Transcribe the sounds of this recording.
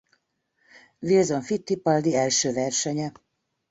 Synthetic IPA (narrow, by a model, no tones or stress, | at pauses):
vilzoɱfit̪ːipɒld̪iɛlʃøːvɛrʃɛɲɛ